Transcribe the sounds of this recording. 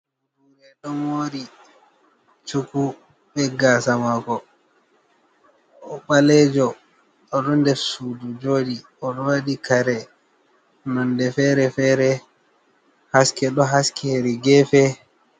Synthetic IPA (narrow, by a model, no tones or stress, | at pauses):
huɾɛɗɔmoːɾi | t͡ʃuku | ɓɛɡaːsamakɔ | ɔɓalɛd͡ʒɔː | ɗɔndɛfsudud͡ʒoːɗi | ɔɗɔwaɗikaɾɛ | nandɛfɛɾɛfɛːɾɛ | haskɛɗɔɦaskiheɾiɡɛfɛ